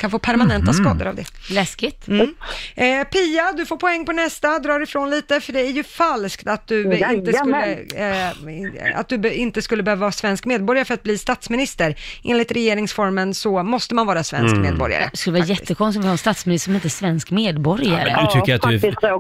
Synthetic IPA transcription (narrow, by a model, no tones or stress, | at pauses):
kʰanfoːpʰæɾmanɛnt̪askɑːd̪ə̰ɾa̰vd̪ɛlɛskɪt̪m | pʰiːad̪ɵfoːpʰɔɛŋːpʰɔnɛst̪ad̪ɾɑːɾɪfɾoːnliːt̪əfœɖɛæɾjɵfalskt̪at̪̚d̪ɵɪnt̪əɵːə | a̰t̪̚d̪ɵbɪnt̪əskɵlːəbɛhøːvavɑːsvɛnskmeːd̪̚bɔɾjaɾəfœɾat̪̚bliːst̪at̪smɪnɪst̪əɾʔeːnlɪt̪ɾɛjeːɾɪŋsfɔɾmənsɔmɔst̪əmanvɑːɾasvɛ̰nskmḛːd̪bɔ̰ɾja̰ɾə̰skɵlːəvɑːajɛt̪ːəkʰɔnst̪ɔvɪhɑɛnst̪at̪smɪnɪssɔmɪnt̪əsvɛnskmeːd̪bɔɾjaɾəd̪t̪ʰʏkkːəɾat̪d̪